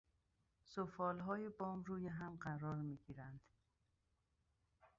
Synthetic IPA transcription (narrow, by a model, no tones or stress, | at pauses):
sofɒːlɦɒːjebɒːmɾuːjeɦæmɢæɾɒːɾmiːɡiːɾænd̪̥